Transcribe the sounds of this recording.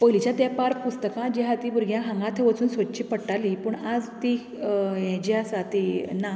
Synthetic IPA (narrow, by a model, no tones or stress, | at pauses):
pəlit͡ɕjãt̪japaɾpust̪əkãd͡ʑiɦat̪ibuɾɡʱjãɦãŋɡãt̪ʰeʋət͡suːnsʋət̪̚t͡ɕiːpəɽʈalipəɳad͡zt̪i | jɛ̃d͡ʑiasat̪ina